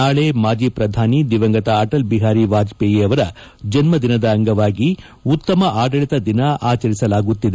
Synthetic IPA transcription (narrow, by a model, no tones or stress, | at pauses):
aːɭemaːd͡ʒiːpɾɐd̪ʱaːnid̪iʋɐŋɡɐt̪ɐɐʈɐlbiɦaːɾiʋaːd͡ʒpeːjeːɐʋɐɾɐ | d͡ʒɐnmɐd̪inɐd̪ɐːŋɡɐʋaːɡi | ut̪ːɐmɐʔaːɖɐɭit̪ɐd̪inɐʔaːt͡ʃɐɾisɐlaːɡut̪ːid̪e